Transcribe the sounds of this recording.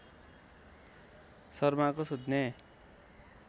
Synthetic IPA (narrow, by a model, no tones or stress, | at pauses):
sʌrmakosud̪ʱne